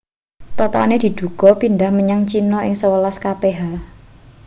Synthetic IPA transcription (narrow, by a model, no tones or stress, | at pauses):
t̪ɔt̪ɔ̰ned̪̥i̤d̪̥ṳɡ̥ɔ̤pind̪ahməɲaŋt͡ʃinɔʔɪŋsəwəlaskapeɦa